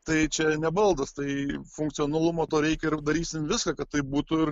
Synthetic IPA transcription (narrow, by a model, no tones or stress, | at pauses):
t̪ɐɪt͡ʃʲɛnʲɛbɐlˠd̪ɐst̪ɐɪfʊŋkt̪sʲioːnɐlˠʊmoːt̪oːɾʲɛɪkʲɛɪɾd̪ɐɾʲiːsʲɪmʋʲɪskɐkɐt̪tɐɪp̚buːt̪ʊɪr